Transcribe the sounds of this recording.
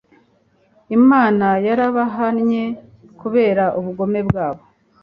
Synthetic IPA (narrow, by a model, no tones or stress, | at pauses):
imaːnajaɾaβaɦanɲe̞ | kuβe̞ːɾaʔuβuɡo̞me̞bɡaːβo̞